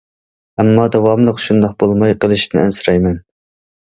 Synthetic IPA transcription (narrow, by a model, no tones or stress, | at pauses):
ɛmːɑd̪ɛvɑmlˠəqʃund̪ɑqbolˠmɑjqʰəlˠɨʃnɪ̰æ̰nsɨɾɑjmɛn